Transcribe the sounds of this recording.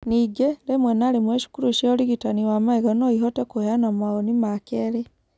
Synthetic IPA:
niɡelemwenalimweʃi̥kuɾuʃoliɣitaniwamaiɣonoiɦotekuheanamwaɣonimakele

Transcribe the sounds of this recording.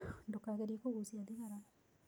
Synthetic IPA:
ndokaɣeɾiekoɣusiadiɣaɾa

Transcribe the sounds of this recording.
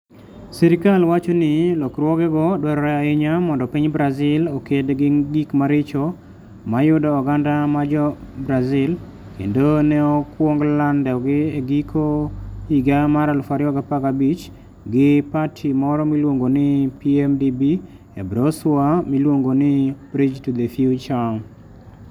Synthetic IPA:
siɾɪkalwat͡ʃonɪlɔkɾwɔɡɛɡɔdwɛɾɔɾɛaɪɲamɔndɔpiɲbɾazɪlokedɡɪɡikmaɾɪt͡ʃɔ | majʊdɔːɡandamad͡ʒɔbɾazɪl | kḛndonɛɔkwoŋɡlandɛɔɡɪeɡikʰoiɡamaɾalfaɾɪɔɡapakabit͡ʃ | ɡɪpatʰimɔɾɔmilwoŋɡonɪpiɛmdibi | ebɾoswamilwoŋɡonɪbɾid͡ʒtud̪efiut͡ʃaŋ

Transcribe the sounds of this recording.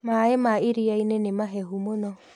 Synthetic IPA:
maemaiɾiainenemaɦɛɦumonɔ

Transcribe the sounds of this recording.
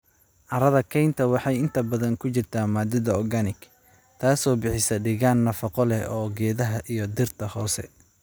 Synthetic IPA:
ʔɑɾɐðɐkʰɛjnt̪ʰɐwɑħɑjɪnt̪ʰɐbɐðɐŋkʰʊt͡ʃɪrt̪ʰaːmaːd̪ɪðɐɔɡanɪɡ | t̪ʰaːsɔːbɪħɪsɐɖɪɣaːnːɐfɐqɔlɛɔːɡɛːðɐɦɐʔijɞd̪ɪrt̪ʰɐhɔːsɛ̰

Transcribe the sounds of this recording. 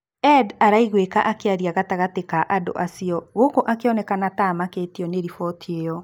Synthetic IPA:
ɛdaɾaiɣwekaʔakeaɾiaɣataɣatekaʔado̰ʔasiɔɣokoʔakeɔnɛkanatamaketiɔneɾifɔtʰiejɔ

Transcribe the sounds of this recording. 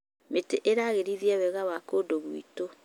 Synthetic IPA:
meteʔeɾaːɣeɾiðiaðɛɣawakoːdoβuḭto

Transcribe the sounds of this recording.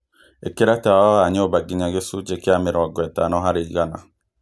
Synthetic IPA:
ekeɾatawaɣaɲobaɡiɲaɣesud͡ʒekiameɾɔaɡwɛta̰nɔɦaɾiɣana̰

